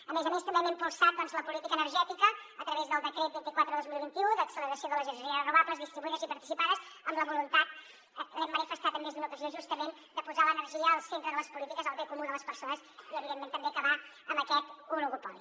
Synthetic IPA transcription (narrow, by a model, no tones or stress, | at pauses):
əmezəmest̪əmbeɛmɛmpulˠsat̪̚d̪ɔnzləpulit̪ikəːnərʒɛt̪ikəːt̪ɾəβezðəlˠd̪əkɾet̪̚bint̪ikwat̪ɾəðəðozmilˠβint̪iuðəksələɾəsioðələʒənʒəɾiərənuβabləzðist̪ɾiβuiðəzipəɾt̪isipaðəzəmləβulunt̪at̪̚ | ɛmːənifəst̪at̪əmːezðunukəzioʒust̪əmen | d̪əpuzalənərʒiəːlˠsent̪ɾəðələspulit̪ikəzəlˠβekumuðələspəɾsonəsiəβiðemẽnt̪əmbeəkəβa | əmbəkɛt̪unuɣupɔli